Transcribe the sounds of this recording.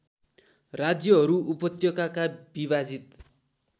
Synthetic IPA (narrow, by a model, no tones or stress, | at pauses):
rad͡zjʌɦʌɾuʔupʌt̪jʌkakabiβad͡zit̪